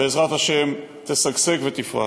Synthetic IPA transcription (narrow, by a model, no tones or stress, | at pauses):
eezʁat̪haʃem | t̪esaɡsekvet̪ifʁa̰